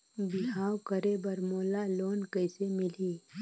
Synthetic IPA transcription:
bɪɦaːwkəɾebɐɾmoːlaloːnkəɪsemɪliː

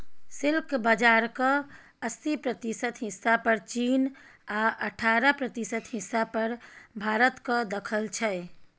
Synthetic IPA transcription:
silkbad͡ʒaɾkə̃ | əsipɾət̪isət̪ɦisːapəɾt͡ʃinaʔəʈʰaɾəpɾət̪isət̪ɦisːapəɾbʱaɾət̪kəd̪əkʰəlt͡ʃʰɛ

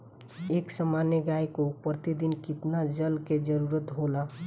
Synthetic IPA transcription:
eːksəmaneɡaːjkopɾt̪id̪inkɪt̪nad͡ʒəlked͡ʒəɾuɾət̪ɦoːla

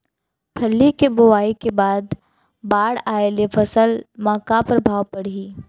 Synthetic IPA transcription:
pʰɐlːikebʊwaːikebaːd̪ | baːɽaːelefʰɐsəlmãːkapɾɐbʱaːwpɐɽ̤iː

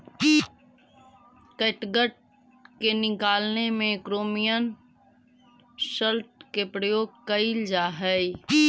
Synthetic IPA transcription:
kəʈɡəʈ̚ | kenɪkaːlnemẽkɾoːmijən | səlʈ̚kepɾəjoːɡ̚kəɪld͡ʒaːɦɛ

